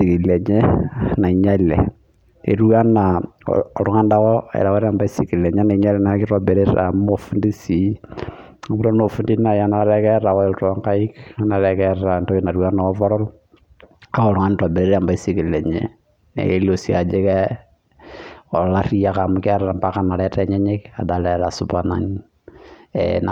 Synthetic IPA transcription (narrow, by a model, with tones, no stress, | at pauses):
si˨ki˨lɛ˨ɲɛ˦na˨i˨ɲa˦lɛ̰˨ | ḛ˨ɾu˦a˦na̰ː˨ɾʊ˦ŋa˦nda˦kɔɛ̰˨ɾa˨wa˦ɾa˨mba˦i˦si˨ki˨lɛ˨ɲɛ˦na˨iɲa˦lɛ˦na˨kɪ˦ɾa˨bɛ˨ɾe˦ɾa̰˨m˦o˨fu˦ndi˦si˨ | a˨bu˦ɾa˦no˨fu˦ndi˦na˨ja˦na˦ɾɛ˦kɛ˦ɾa˨wɔ˦ɔ˨ltɔ˦ŋka˦i˦ka˦na˨ɾɛkɛɾa˨ntɔ˦kina˨ɾwa˦nɔ˨˦vɔ˦ɾɔ˦l | ka˦ɔ˨ɾʊ˦ŋa˦nta˨bɛ˨ɾe˦ɾa˨mba˦i˦si˦ki˨lɛ˨ɲɛ̰ | nɛ̰˨ke˦lo˨sia˨d͡ʒɛ˦kɛ | ɔ˨la˦ɾi˦ja˦ka˨mʊ˦ka˦ɾaɾa˨mba˦ka˦na˨ɾɛ˦tɛ˨ɲɛ˦ɲɛ˦ka̰˨dalɛɾa˨sʊbana̰˨ɲ | na